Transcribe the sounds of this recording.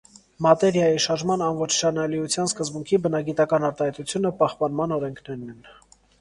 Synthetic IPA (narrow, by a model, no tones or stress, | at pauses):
mɑt̪ɛɾjɑjiʃɑɾʒmɑnɑnvɔt͡ʃʰʃɑnɑliut͡sʰjɑnskəzbuŋkʰibənɑɡit̪ɑkɑnɑɾt̪ɑhɛjt̪ut͡sʰjunəpɑhpɑnmɑnɔɾɛŋkʰnɛɾnɛn